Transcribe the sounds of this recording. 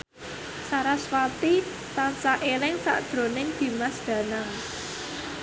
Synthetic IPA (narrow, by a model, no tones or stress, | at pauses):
saɾaswat̪i | t̪ansaʔelɪŋsa̰ʔd̪̥ɾo̤nɪŋd̪̥i̤masd̪̥ä̤naŋ